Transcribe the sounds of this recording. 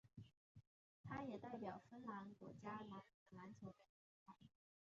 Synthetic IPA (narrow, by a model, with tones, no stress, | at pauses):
t̪ʰa˥jɛ˨˩t̪a˥˩ɪpjɑ˨˩ʊfə˥nla˧˥nkwɔ̰˧˥t͡ɕja˥la˧˥nə˧˥la˧˥nt͡sʰo˧˥ʊd̪ə˧˩t͡ɕi˧˥ka˥˩˦